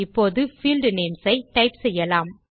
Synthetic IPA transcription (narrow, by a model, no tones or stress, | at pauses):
ɪpːoːðɯfiːlɖneːmsɐɪʈɐɪpsɛjːɐlaːm